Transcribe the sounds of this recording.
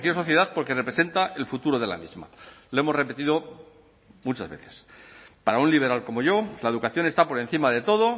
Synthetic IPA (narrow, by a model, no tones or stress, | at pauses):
kjosoθje̞ðaθpo̞ɾke̞repɾese̞nt̪ae̞lfut̪uɾo̞ðe̞la̰mizma̰loe̞mo̞zre̞pe̞t̪iðo̞ | mut͡ʃazβe̞̰θe̞̥spaɾaunliβ̞e̞ɾalko̞mo̞ʝo̞lae̞ðukaθjo̞ne̞st̪apo̞ɾe̞n̟θimaðe̞t̪o̞ðo̞